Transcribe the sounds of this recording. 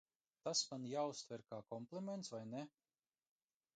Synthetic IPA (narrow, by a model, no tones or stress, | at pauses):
t̪asmanjaːust̪vɛɾkaːkɔmplˠiment̪svajne